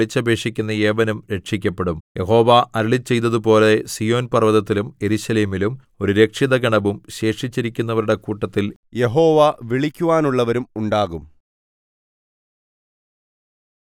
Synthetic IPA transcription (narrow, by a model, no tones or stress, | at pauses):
it͡ɕːɐbʱe̞ːʂikʲːunːɐe̞ːʋɐnumɾe̞ʈʂikʲːɐpːe̞ɽumje̞ɦo̞ːʋaʔɐɾiɭit͡ɕːe̞jt̪ːɐðupo̞ːle̞sijo̞ːnpɐrʋɐðɐt̪ːilume̞ɾuɕɐleːmilum | o̞ɾuɾe̞kʂiðɐɡɐɳɐʋumɕe̞ːʂit͡ɕːiɾikʲːunːɐʋɐɾuɽe̞kuːʈːɐt̪ːilje̞ɦo̞ːʋaʋiɭikʲːuʋaːnuɭːɐʋɐɾumuɳɖaːɣum